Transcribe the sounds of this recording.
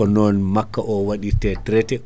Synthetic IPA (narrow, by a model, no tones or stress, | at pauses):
ɔnɔnmakːaʔɔwaɗitɛtɾɛtɛ